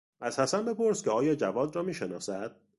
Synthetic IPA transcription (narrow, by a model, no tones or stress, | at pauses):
ʔæz̥hæsænbe̞po̞ɾscʰeɒːjɒːd͡ʒævɒːd̪rɒːmiːʃenɒ̰ːsæd̪̥̚